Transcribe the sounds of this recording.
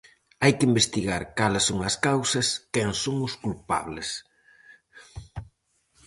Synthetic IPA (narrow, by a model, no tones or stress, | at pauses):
ajkɪimbest̪iɣaɾkalɪsːoŋɐskawsɐskɛŋsoŋʊskulpa̰βlɪs